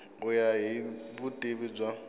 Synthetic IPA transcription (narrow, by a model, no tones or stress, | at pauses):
ʊjaɦibʊtʼeβid͡ʒwa